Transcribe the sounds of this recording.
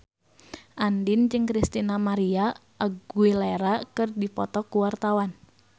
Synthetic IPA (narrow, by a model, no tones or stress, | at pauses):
ʔandɪnd͡ʒɨŋkɾist̪inamaɾiaʔaɡueleɾakɨrdipɔt̪ɔkuwart̪awan